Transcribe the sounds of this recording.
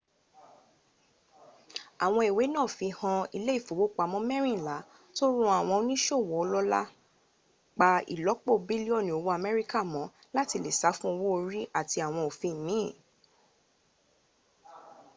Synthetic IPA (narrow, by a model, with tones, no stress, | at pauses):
a˨w̃ɔ̃˧e˨we˨˦nãː˦˨fĩ˧hã˧i˧le˦i˦˨fo˨wo˦k͡pa˨˧˨mɔ̃˦mɛ˦ɾ̃ĩ˦˨la˨˦ | to˦ɾũ˦a˦˨w̃ɔ̃˧o˧nĩ˦ʃo˦˨wɔ˨˦˧lɔ˦la̰˦ | k͡pa˧ḭ˨lɔ˨˦k͡po˦˨bi˦li˦ɔ˦˨nĩ˨o˨˧wo˦a˧˨mɛ˦ɾi˦ka˦˨mɔ̃˨˦ | la˦ti˧le˨sa˨˦fũ˦o˧wo˦o˧ɾi˦a˦˨ti˧a˨w̃ɔ̃˧o˨fĩ˧˨mĩ˨˦˨